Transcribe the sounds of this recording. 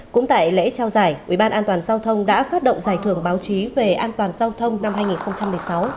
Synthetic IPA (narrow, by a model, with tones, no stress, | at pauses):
kʊ̰˧˥ŋ͡mt̪a̰ː˧˨jlḛ˧˥t͡ɕa˧wzaː˧˩jʔʔi˧˩ɓaː˧nʔaː˧nt̪waː˨˩nzaː˧wt̪ʰə˧wŋ͡mɗa̰ː˧˥faː˦˥t̚ɗə̰˧˨ŋ͡mzaː˧˩jt̪ʰɨ˧˩əŋɓaː˨˦wt͡ɕi˨˦ve˨˩ʔaː˧nt̪waː˨˩nzaː˧wt̪ʰə˧wŋ͡mna˧mɦaː˧jŋi˨˩nxə˧wŋ͡mt͡ɕa˧mːɨ˨˩əjsa˨˦w